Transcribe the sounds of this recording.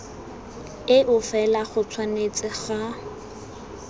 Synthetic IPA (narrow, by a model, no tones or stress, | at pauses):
ɪʔʊfɛlaχʊt͡sʰwanet͡sʼɪχa